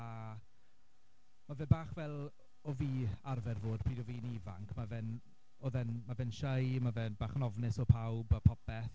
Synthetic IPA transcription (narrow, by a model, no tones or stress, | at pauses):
a | mavɛnbaːχvɛlˠ | ɔviːarvɛrvoːd̚pʰriːdɔviːnivaŋkʰmavɛn | ɔðɛnmavɛnʃəjmavɛnbaːχənɔvnɪsɔpʰawbapʰɔpɛθ